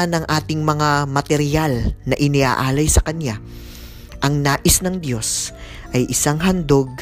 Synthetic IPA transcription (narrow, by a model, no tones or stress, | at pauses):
anɐŋʔaːt̪ɪŋmɐŋamɐt̪ɛɾɪjalnɐʔɪnɪʔa̰ːʔaːlɐjsɐkɐnja | ʔɐŋnaːʔɪsnɐŋd̪jo̞s | ʔɐjʔɪsaŋɦɐnd̪o̞ɡ̚